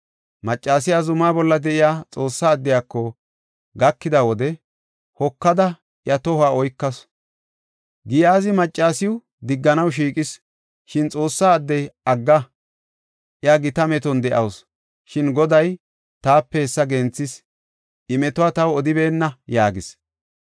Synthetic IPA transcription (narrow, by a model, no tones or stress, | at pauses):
mɐt͡ʃʼːaːsɪjazʊmaːbɔlːɐd̪ɛʔɪjaːt͡sʼo̞ːsːaːd̪ːɪjaːkːɔ | ɡɐkːɪd̪awɔd̪ɛ | hɔkːɐd̪ɐ | ʔjɐt̪ɔhaːɔjkːɐs | ɡɪjaːzɪmɐt͡ʃʼːaːsɪwʊ | d̪ɪɡːɐnɐwʃ̬iːkʼɪs | ʃɪnt͡sʼo̞ːsːaːd̪ːɛjɐɡːɐ | ʔjɐɡɪt̪ɐmɛt̪ɔnd̪ɛʔɐws | ʃɪnɡɔd̪ɐj | t̪aːpːɛɛsːɐɡɛnt͡sːɪs | ʔɪmɛt̪ʊaːt̪ɐwɔd̪ɪbe̞ːnːɐjaːɡɪs